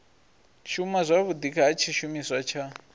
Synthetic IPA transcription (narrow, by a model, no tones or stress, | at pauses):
ʃʰumazʷaβudikʰaɦat͡ʃʰiʃumiswat͡ʃʰa